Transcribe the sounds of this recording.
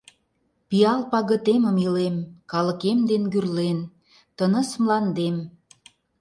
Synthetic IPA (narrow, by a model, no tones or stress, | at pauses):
pijɑlpɑɣə̆t̪eməmilemkɑlə̆kemd̪enɡyrlen | t̪ənə̆smlɑnd̪em